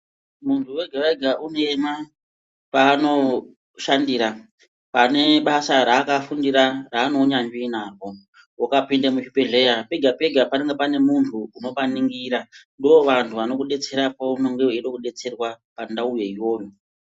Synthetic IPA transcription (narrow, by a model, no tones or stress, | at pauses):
muntʰuwe̞ɡʱaraɡʱaʔunema | paːno̞ | ʃandiɾa | pane̞ɓasaɾaːkafundiɾaraːno̞ɲaɲd͡ʒinako̞ | wakapindemut͡ʃipeɮe̞jape̞ɡʱape̞ɡʱapaneŋɡepane̞muntʰuːno̞paniŋɡiːɾandoʋantʰuʋano̞kuɗe̞t͡se̞ɾapouno̞ŋɡeweɗokuɗe̞t͡se̞rwapandaujaijo̞ːjo